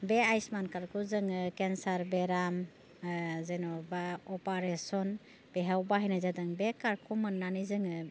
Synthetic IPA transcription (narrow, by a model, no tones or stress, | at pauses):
beajsmankaɾkʰuzɯŋɯkensaɾbeɾam | zenɔbaɔpaɾesɔn | b̥eɦawbaɦajnazadɯŋbekaɾkʰumɯnːanizɯŋɯ